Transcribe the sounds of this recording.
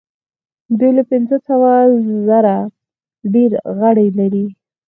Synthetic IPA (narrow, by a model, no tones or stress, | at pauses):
d̪ujlapɪnzəsawazaɾa | ɖeɾɣəɽalaɾi